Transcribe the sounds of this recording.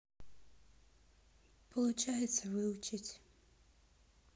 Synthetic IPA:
pʰɔlˠʊt͡ʃajɛt̪sɐvɨʊt͡ʃɪtʲ

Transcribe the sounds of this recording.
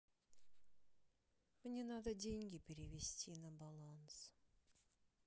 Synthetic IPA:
mnʲe̞nad̪ədʲeŋʲɡʲɪpʲɪɾʲɪvʲesʲtʲinabalˠans

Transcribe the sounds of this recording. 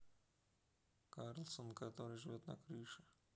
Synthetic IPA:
kaɾlˠsonkɐt̪o̞ɾɨjʐɨvʲot̪nɐ̰kɾɨʂɨ̥

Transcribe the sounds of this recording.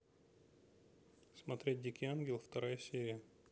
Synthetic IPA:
smɐt̪ɾʲet̚ʲdʲikʲianɡʲɪlˠft̪ɐɾajəsʲeɾʲɪjə

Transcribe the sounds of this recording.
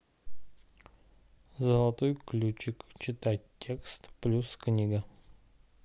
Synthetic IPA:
zəlˠɐt̪ojklʲut͡ʃɪkt͡ʃɪt̪atʲːe̞kst̪plʲusknʲiɡə

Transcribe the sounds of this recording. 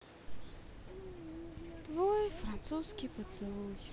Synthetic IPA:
t̪vojfɾant̪suskʲipət̪sɨlˠuj

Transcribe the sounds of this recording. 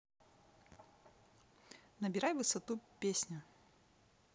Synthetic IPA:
nɐbʲɪɾajvɨsɐt̪upʲesʲnʲʊ

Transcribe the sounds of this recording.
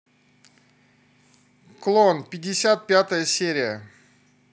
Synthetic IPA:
klˠonpʲɪdʲːɪsʲat̪̚pʲat̪əjəsʲeɾʲɪjə

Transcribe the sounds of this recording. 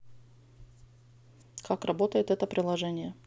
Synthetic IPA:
kʰakrɐbot̪əjɪt̪ɛt̪əpɾʲɪlˠɐʐɛnʲɪjə

